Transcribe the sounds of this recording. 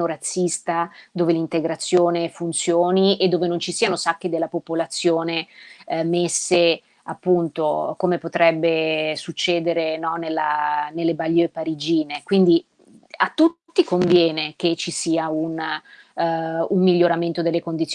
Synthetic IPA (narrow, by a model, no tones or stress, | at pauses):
oɾat̪sːist̪ad̪oːvelint̪eɡɾat̪sːjoːnefunt̪sjoːnied̪ːoːvenont͡ʃisiːanosakːed̪elːapopolat̪sːjoːnemesːe | apːunt̪okomepot̪ɾɛbːesut͡ʃːɛːd̪eɾenɔnelːa̰nelːebalːepaɾid͡ʒiːnekwind̪i | at̪ːut̪ːikoɱvjɛːnek̟et͡ʃːisiːaun | umːiʎːoɾament̪od̪elːekond̪it̪sː